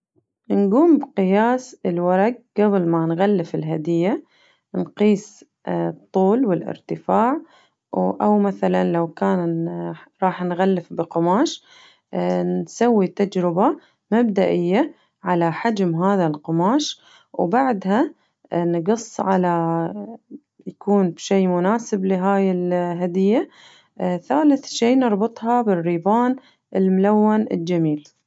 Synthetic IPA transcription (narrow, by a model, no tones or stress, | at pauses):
nɡuːmbqɨjaːsɪlwɑɾˤɑɡ̚ɡablmanɣalːɪfɪlɦad̪ɪjːa | nqiːs | t̪ˤːuːlwɪlʔɪ̰ɾt̪ɪfaːʕ | ʔawmaθalanlawkaːn | ɾˤɑːħnɣalːɪfbɪqʊmaːʃ | nsawːit̪ad͡ʒɾɪba | mab̚d̪aʔɪjːa | ʕalaħad͡ʒmɦaːðalqʊmaːʃ | wbaʕd̪ha | nɡɨsˤːʕala | jakuːnbʃiːmʊnaːsɪblɪɦaːjɪlɦad̪ɪjːa | θaːlɪθʃiːnɨɾˤbɨt̪ˤhɑbɪrːiːbaːn | ʔɪlmʊlawːanɪ̰ld͡ʒamiːl